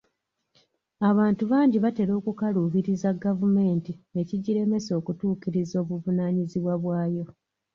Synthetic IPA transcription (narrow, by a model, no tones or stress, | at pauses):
aβaːntuβaːɲɟiβate̞ɾo̞ːkukaluviɾizaɡavume̞ːntie̞ciɟiɾe̞me̞so̞ːkutuːkiɾizo̞ːβuvunaːɲiziβwaβwaːjo̞